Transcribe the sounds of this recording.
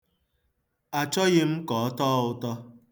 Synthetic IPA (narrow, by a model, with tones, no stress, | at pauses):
a˨t͡ʃɔ˦ɣɪ˦m̩˦kɔ˨ɔ˦tɔ˦ʊ˦tɔ˦